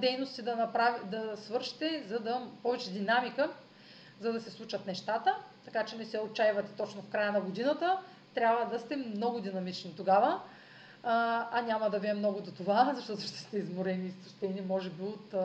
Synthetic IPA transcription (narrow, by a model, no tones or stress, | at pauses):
d̪ɛjnost̪id̪ɐnɐpɾavid̪ɐsvɤɾʃi̥t̪ɛzɐd̪ɐpɔvɛt͡ʃɛd̪inamikə | zɐd̪ɐsɛslˠut͡ʃɐt̪nɛʃt̪at̪ət̪ɐkat͡ʃɛnɛsɛot̪̚t͡ʃajvɐt̪ɛ̥t̪ɔt͡ʃnofkɾajənɐɡod̪inɐt̪ə | t̪ɾʲjabvəd̪ɐst̪ɛmnɔɡʊd̪inɐmit͡ʃnit̪oɡavə | ɐnʲamɐd̪ɐvʲɛɛmːnɔɡʊd̪ot̪ovazɐʃt̪ɔt̪ʊʃt̪ɛ̥st̪ɛizmoɾɛniːst̪ɐʃt̪ɛnimɔʒɛbiot̪